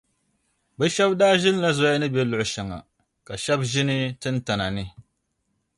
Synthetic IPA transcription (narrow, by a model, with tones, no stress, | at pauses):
bɨ˦ʃɛ˦bdaː˦ʒɪ˦n˦la˦zɔ˦ja˦nɨ˦bɛ˦lʊ˨ʔʊ˨ʃa˨ŋa̰˨ | ka˨ʃɛ˦bʒɪ˦nɨ˦tɨ˦n˦ta˨na˨nɨ˦